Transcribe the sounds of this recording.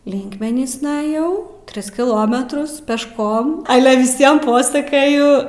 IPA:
ˈlʲɪŋkmʲɛnʲiːsnɐ ɐˈjɛʊ ˈtʲrʲɪs kʲɪˈlˠoːmʲɛtrʊs pʲɛʃˈkoːm ɐlʲɛ ʋʲɪˈsʲiɛm ˈpoːsɐkɐjʊ

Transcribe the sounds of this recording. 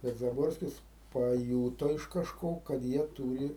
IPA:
tɐs zɐˈboːrʲsʲkʲɪs pɐˈjuːtoː ɪʃ kɐˈʃkoː kɐt ˈjiɛ ˈtuːrʲɪ

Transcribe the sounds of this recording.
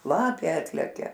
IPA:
ˈlˠɑːpʲeː ˈɑːtʲlʲɛkʲɛ

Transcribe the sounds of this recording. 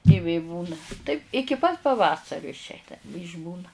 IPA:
ɪ ˈʋʲeː ˈbuːnɐ tɐɪp ɪkʲɪ pɐt pɐˈʋɑːsɐrʲʊ ɪʃʲˈɛɪnɐ ɪʒʲˈbuːnɐ

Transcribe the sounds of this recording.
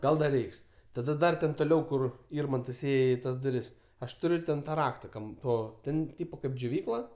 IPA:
ˈɡɐlˠ ˈdɐr ˈrʲɛɪks tɐdɐ ˈdɐr tʲɛn toːˈlʲɛʊ ˈkʊr ˈɪrmɐntɐs ˈeːjɛ ɪ ˈtɐs dʊˈrʲɪs ˈɐʃ tʊˈrʲʊ tʲɛn ˈtɑː ˈrɑːktɐ ˈkɐm ˈtoː ˈtʲɛn ˈtʲiːpoː kɐɪp d͡ʒʲoːˈʋʲiːklˠɐ

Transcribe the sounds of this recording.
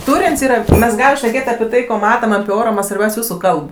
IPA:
ˈtuːrʲeːnʲsʲ ˈiːrɐ ˈmʲɛs ˈɡɑːlʲɪm ʃʲnʲɛˈkʲeːtʲ ɐpʲɪ ˈtɐɪ koː ˈmɑːtɐm ɐpʲɪ ˈoːroː ˈmɐnʲ sʋɐrʲˈbʲɛʊsʲ ˈjuːsʊ ˈkɐlˠp

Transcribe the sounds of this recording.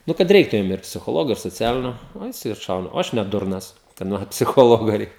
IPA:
ˈnʊ kɐt ˈrʲɛɪktʊ jʊm ɪr pʲsʲɪxoːˈlˠoːɡoː ɪr soːˈt͡sʲæːlʲɪnʲoː ˈnʊ jɪˈsɐɪ ɐtˈʃɐʊnɐ oː ˈɐʃ nʲɛ ˈdʊrnɐs kɐdˈmɐn pʲsʲɪˈxoːlˠoːɡoː ˈrʲɛɪkʲɛ

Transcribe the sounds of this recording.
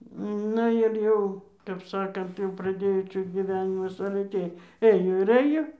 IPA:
ˈnʊ ɪr ˈjɛʊ kɐp ˈsɑːkɐnt jɛʊ prɐˈdʲeːjoː ˈt͡ʃʲɛ ɡʲiːˈʋʲæːnʲɪmɐs ɐlʲɛ ˈtʲeːj ˈɘjoː ɪr ˈɘjoː

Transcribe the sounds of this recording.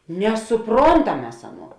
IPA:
nʲɛsʊˈproːntɐm ˈmʲɛs ˈɑːˌnuɔ

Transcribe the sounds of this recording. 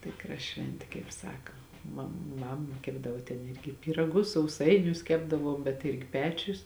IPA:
ˈtʲɪkrɐ ˈʃʲʋʲɛnʲtʲeː kɐɪp ˈsɑːkɐ mɐ ˈmɐm ˈkʲæːbdɐʋoː tʲɛn ˈɪrʲɡʲɪ pʲiːrɐˈɡʊs sɐʊˈsɐɪnʲʊs ˈkʲæːbdɐʋuɔm bʲɛt ˈɪrʲɡʲɪ ˈpʲæːt͡ʃʲʊs

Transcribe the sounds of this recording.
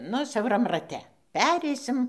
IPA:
ˈnʊ sʲɛʊˈrɐm rɐˈtʲɛ ˈpʲæːrʲɛɪsʲɪm

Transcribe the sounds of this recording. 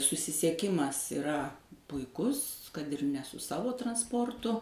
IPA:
sʊsʲɪsʲiɛˈkʲɪmɐs ɪˈrɐ pʊɪˈkʊs kɐt ɪr nʲɛ sʊ ˈsɑːʋoː trɐnsˈpoːrtʊ

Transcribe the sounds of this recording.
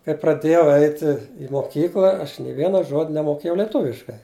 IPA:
kɐɪ prɐˈdʲeːjɛʊ ˈɛɪtʲɪ ɪ moːˈkʲiːklˠɐ ɐʃ nʲeː ˈʋʲiɛnɐ ˈʒoːtʲ nʲɛmoːˈkʲeːjɛʊ lʲɛˈtʊʋʲɪʃkɐɪ

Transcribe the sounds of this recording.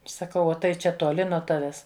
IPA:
sɐˈkɐʊ ˈoː tɐɪ ˈt͡ʃʲɛ tuɔˈlʲɪ nuɔ ˈtɑːʋʲɛs

